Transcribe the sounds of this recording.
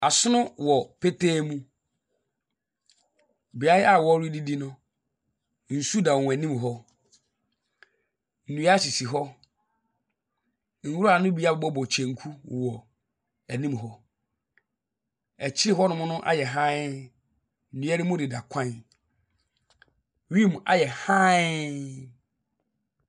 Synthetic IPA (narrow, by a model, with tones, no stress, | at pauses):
a˨sʊ˦nʊ̃˦wɔ˨pʰe˦tʰeː˦mũ˦ | bi˨a˦jɪ˦a˨wɔ˦ɾi˦di˦di˦nʊ̃˦ | n̩˨su˦da˨w̃æ˨nĩ˦mɦɔ˦ | n̩˨nũ˨˦a˦ɕi˨si˨ɦɔ˦ | ŋ̩˨wu˦ɾa˨nʊ̃˦bi˦a˦˨bɔ˦bɔ˨t͡ɕʰɛ̃˨ŋ˨kʰu˦˨wɔ˨ | æ˨nĩ˦m˨ɦɔ˦ | ɛ˨t͡ɕʰɪ˦ɾɪ˦ɦɔ˦nʊ̃˦mʊ̃˦nʊ̃˦ʔa̰˨jɛ˨ɦã˦ | n̩˨nũ˨˦ɛ˦ɾɪ˦mʊ̃˦dɪ˨da˨kʷʰã˦n˨ | ɥi˦˨m˨a̰˨jɛ˨hã˦